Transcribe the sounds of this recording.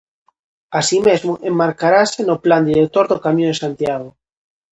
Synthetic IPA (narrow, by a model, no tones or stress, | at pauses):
asimezmoʔemːaɾkaɾasenopland̪iɾek̚t̪oɾðokamjõesant̪jaɣo